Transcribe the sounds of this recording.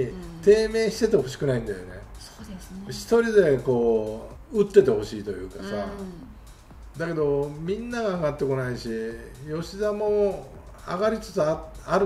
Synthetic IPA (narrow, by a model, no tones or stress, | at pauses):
t̪e̞ːme̞ːɕi̥t̪e̞t̪e̞ho̞ɕi̥kɯ̟naĩnd̪ajo̞̰ne̞̰o̥ɕi̥t̪o̞ɾʲid̪e̞ko̞ː | ɯ̟t̪ːe̞t̪e̞ho̞ɕiːt̪o̞jɯ̟ːkasa | d̪ake̞d̪o̞mʲĩnːaɡaːɡat̪ːe̞ko̞naiɕijo̞ɕizamo̞ | a̰ɡaɾʲit͡sɨ̥t͡sɨaaɾɯ